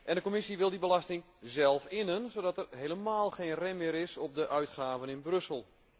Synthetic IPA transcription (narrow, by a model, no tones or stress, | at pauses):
ʔɛndəkomɪsiʋɪlˠdibəlastɪŋ | zɛlˠfɪnənsowdɑtɛrɦejləmaːlˠxeːnrɛnmɪːɾɪsɔp̚dəʔœɥtχaːvənɪnbrɵsəlˠ